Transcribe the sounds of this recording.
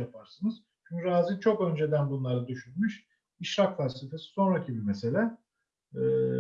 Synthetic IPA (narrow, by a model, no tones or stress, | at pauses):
apʰaɾsɯnɯz̥ | t͡ʃʰyɲcʰyɾaːzit͡ʃʰo̞kø̞nd͡ʒe̞d̪ænbunlˠaɾad̪yʃynmyʃ | iʃɾakfassefe̞si̥so̞nɾacʰibiɾmese̞lʲɛː